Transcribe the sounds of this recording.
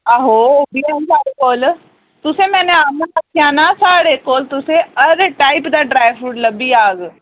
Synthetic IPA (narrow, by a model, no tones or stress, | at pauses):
aɦoobiːaɦsaːɽeːkoːl | t̪ʊsẽːmɛ̃ːnẽaːməəkʰjaːnaːsaːɽeːkoːlt̪ʊsẽːəɾeʈaːɪpd̪aːɖɾaːjbʰɾuːʈləbiːaːɡ